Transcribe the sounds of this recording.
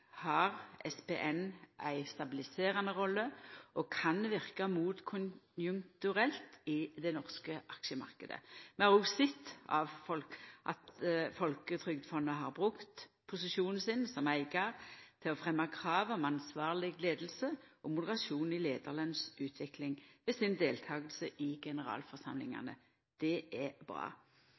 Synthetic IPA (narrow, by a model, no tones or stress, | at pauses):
hɑʁʔɛspeʔɛnʔæɪst̪ɑbɪlɪseːʁɑnəʁɔlːəʔɔkʰɑnʋɪʁkɑmuːt̪kʰʊnjʉŋkt̪ʉʁɛlt̪ɪd̪ɛnɔʁskəʔɑkʃəmɑ̰ʁkəd̪ə̰mɛæʁusɪt̪ːɑ̰ʋfɔlʔɑ̰t̪fɔlkət̪ʰʁʏɡ̚d̪fɔnːəɦɑʁbʁʉkt̪ | pʰʊsɪʃuːnn̩sɪnsɔmæɪɡɑʁt̪ʰɪlɔfʁɛmːɑkʰʁɑːʋɔmɑnsʋɑːʁlɪɡleːd̪l̩səʔɔmʊd̪əʁɑsuːnɪleːd̪ɑʁlɑnsʉːt̪ʰʋɪklɪŋʋɛsɪnd̪eːlt̪ʰɑːɡəlsəʔɪɡɛnəʁɑ̰ːlfɔʁsɑmlɪŋɑ̰nə̰ | d̪̥ɛʔɛbʁɑ̰ː